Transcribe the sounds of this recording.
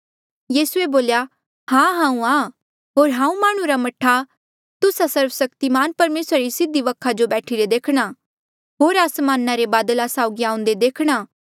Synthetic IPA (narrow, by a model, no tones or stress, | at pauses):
jiːsueboːlja | hãːɦãːũaː | ɦoːɾɦãːũmaːɽ̃ũɾamɐʈʰːa | t̪ʊsasɐɾʋsɐkt̪imaːnpɐɾmeːsɾaɾisɪd̪iʋɐkʰːad͡ʒobɛːʈʰiɾed̪eːkʰɽ̃a | ɦoːɾasmaːnːaɾebaːd̪əlasaːʊɡiãːʊ̃nd̪ed̪eːkʰɽ̃aː